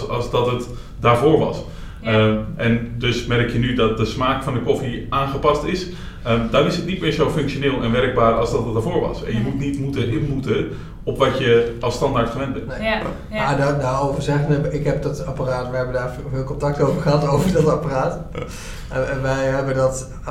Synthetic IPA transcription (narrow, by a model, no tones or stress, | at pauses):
ɑszdɔtət | daːɹvoːɹʋɑ̰s | əʔɛndøsmɛɾɪkjənydɔt̚dəsmaːkfɑndəkofiʔaːnχəpɑstɪs | ədɔnɪsətnitmɪːɹzowfɵŋkʃoneːlˠɛnʋɛrɡ̚baːrɑlˠzdɔtət̚daːvoːɹʋɑ̰sɛ̰njəmutnitmutəɦɪpmutə | ɔpʋɑtjəʔɑstɑndaːɹtχəʋɛnt̚bɛnne | madadaːrowvərzɛɣənəɪkɦɛp̚dɔtaparaːtʋɛɦɛbədaːɹ | vɪːlˠkõntɑk̚towvərχəɦɑtovərdɔtaparaːt | ɛnʋɛjɦɛbədɔt